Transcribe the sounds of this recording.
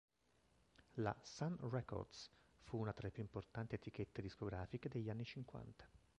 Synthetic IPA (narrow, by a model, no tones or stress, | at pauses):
la̰sanrɛkɔ̰rd̪sfuunat̪ɾaepjuimport̪ant̪iet̪ik̟et̪ːed̪iskoɡɾaːfiked̪eʎːanːit͡ʃiŋkwa̰nt̪ḁ